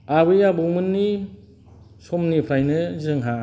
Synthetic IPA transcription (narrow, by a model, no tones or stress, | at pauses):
abɯjabɯmɯnːi | sɔmnipʰɾajnɯzɯŋɦa